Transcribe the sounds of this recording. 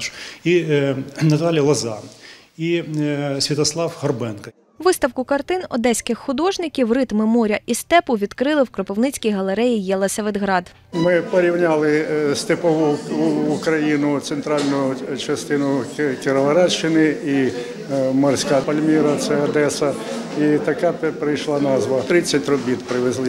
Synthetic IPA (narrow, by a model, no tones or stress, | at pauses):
ʃi | nɐt̪ɑlʲjɐlˠɐzɑ̰n | isʲʋʲit̪ɐslˠɑwhɐrbɛnkɐ | ʋɪst̪ɐwkʊkɐrt̪ɪnɔ̰d̪ɛsʲkɪxxʊd̪ɔʒnɪkʲiwrɪt̪mɪmɔɾʲɐʔist̪ɛpʊʋʲid̪kɾɪlˠɪwkɾɔpɪwnɪt͡sʲkʲijɦɐlˠeɾɛjijɛlˠɐsʲɐʋed̪ɦɾɑd̪ | mɪpɔɾʲiwnʲalˠɪst̪ɪpɔʋʊː | kɾɐjinʊt̪sent̪ɾɑlʲnʊjʊt͡ʃɐst̪ɪnʊkʲɪɾɔʋɐɾɑt͡ʃːɪnɪi | mɔrsʲkapɐlʲmʲiɾɐt̪sɛɔd̪ɛsɐit̪ɐkɑppɾɪjʃlˠɑnɑzʋɐt̪ɾɪt͡sʲːɐtʲɾɔbʲit̪pɾɪʋezlˠɪ